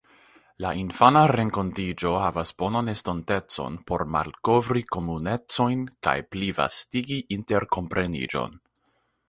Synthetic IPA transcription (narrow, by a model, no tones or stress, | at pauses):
lainfanaɾe̞ŋko̞ntid͡ʒo̞havasbo̞nonestonte̞t͡so̞̰npo̞ɾma̰lko̞vɾiko̞mune̞t͡so̞jnka̰jpliva̰stiɡiʔinte̞ɾko̞mpɾʔe̞nḭd͡ʒo̞̰n